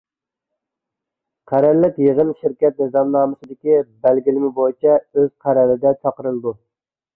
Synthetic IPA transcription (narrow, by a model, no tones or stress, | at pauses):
qʰæɾæɾlːɪkʲjəʁənʃɪɾkʲɛt̪̚nɨzɑmnɑːmɨsɨd̪ɪkʲibælɡʲilɪmɪbojit͡ʃʰɛøz̥qʰæɾæɾɪd̪ɛt͡ʃʰɑqəɾɨlˠb̪u